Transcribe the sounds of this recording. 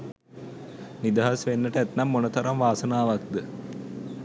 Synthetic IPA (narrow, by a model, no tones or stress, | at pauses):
nid̪aɦasʋenːəʈəæt̪nɐmːonət̪ʰaɾamʋaːsənaːʋak̚d̪ə